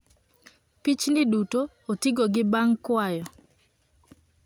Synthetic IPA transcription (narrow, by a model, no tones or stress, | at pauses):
pit͡ʃnɪduto | otiɡoɡɪbaŋkwajɔ